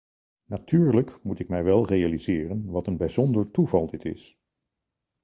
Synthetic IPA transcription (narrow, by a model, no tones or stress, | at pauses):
natyːɹləkmutɪkmɛjʋɛlˠrejalizɪːrənʋɑtənbɛjzɔndəɹtuvɑlˠdɪtɪ̰s